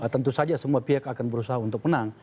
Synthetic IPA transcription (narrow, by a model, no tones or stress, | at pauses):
ət̪ənt̪usad͡ʒasəmuapiakakanbəɾusaɦaunt̪ʊk̚mənaŋ